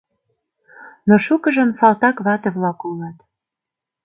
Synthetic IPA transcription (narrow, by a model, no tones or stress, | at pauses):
noʃukəʒə̆msɑlt̪ɑkβɑt̪eβlɑkulɑt̪